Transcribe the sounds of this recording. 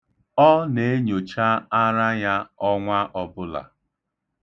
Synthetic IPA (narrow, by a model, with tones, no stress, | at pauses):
ɔ˦ne˨e˦ɲo˨t͡ʃa˦a˦ɾa˦ja˦ɔ˦ŋʷa˦ʔɔ˨bʊ˦la̰˨